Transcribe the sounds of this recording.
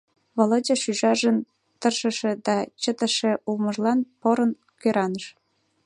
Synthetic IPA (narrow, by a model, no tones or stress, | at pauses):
βolod͡ʑɑʃyʒɑʒən | t̪ərʃə̆ʃĕd̪ɑt͡ɕət̪ə̆ʃĕʔuməʒlɑnpoɾə̆n | køɾɑnəʃ